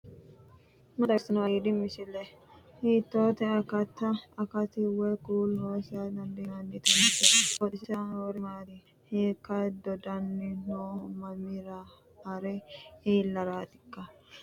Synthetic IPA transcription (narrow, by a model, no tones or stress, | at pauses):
mɐt̪ɐsɐnɐwɐid̪ɪmɪsɪlɛ | hiːt̪ːoːt̪ɛɐkɐt̪ːɐːkɐt̪ɪwɛkuːlnoːsɪad̪ɐnd̪ɛnɐnːɪt̪ɐnɪtːɛɔt̪ɪsɪsanwɔɾɪmaːd̪ɪ | heːkːɐd̪ɔd̪ɐnːɪnoːmɐmɪɾa | ɐɾɛiːlːɐɾaːt̪ɪ̥kːɐ